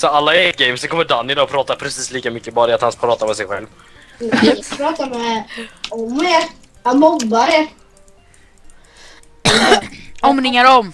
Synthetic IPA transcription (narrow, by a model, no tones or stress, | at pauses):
sɔalːaɛt̪̚ɡɛjmsɛnŋkɔmːəɖanːɪnaɔpʰɾɑːt̪apʰɾɛsiːsliːkamʏkːəbɑːɾəat̪hanspʰɾɑːt̪aɾmɛsɛjɧɛ̰lv | pʰɾɑːt̪aɾmɛ | ɔmːeɾ | mɔɡːaɾɛɾ | ɔmnɪŋaɾɔm